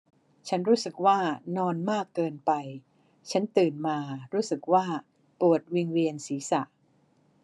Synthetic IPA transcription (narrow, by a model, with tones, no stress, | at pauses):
t͡ɕʰa˦˥nɾuː˦˥sɯ˨˩k̚waː˥˩nɔː˧nmaː˥˩kːɤː˧npa˧j | t͡ɕʰa˦˥nt̪ɯː˨˩nmaː˧ɾuː˦˥sɯ˨˩k̚waː˥˩ | pu˨˩ət̪̚wi˧ŋwi˧ənsiː˩˦sa˨˩ʔ